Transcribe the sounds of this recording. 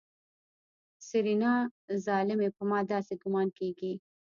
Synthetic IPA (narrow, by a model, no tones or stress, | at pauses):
sɪɾinɑzɑlɪmepəmɑd̪ɑseɡʊmɑnkeɡi